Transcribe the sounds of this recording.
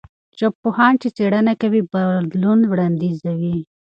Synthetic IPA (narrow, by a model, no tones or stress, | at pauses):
t͡ʃopːohɑɳt͡ʃit͡seɽanakawibad̪lunwɽɑnd̪izawi